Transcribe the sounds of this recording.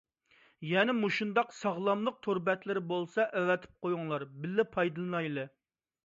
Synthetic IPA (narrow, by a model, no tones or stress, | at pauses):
jɛnɛmuʃund̪ɑqsɑʁlˠɑmlˠəq̚t̪ʰoɾbɛt̪lɪɾɪbolˠsɑʔɛwɛt̪ʰɪ̥p̚qojuŋlˠɑɾbɪlːɪpʰɑjd̪ɨlˠɨnɑjlˠɨ